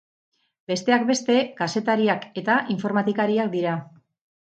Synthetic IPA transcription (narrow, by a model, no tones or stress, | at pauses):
be̞st̪e̞akbe̞st̪e̞kase̞t̪aɾiake̞t̪aʔiɱfo̞ɾmat̪ikaɾiak̚d̪iɾa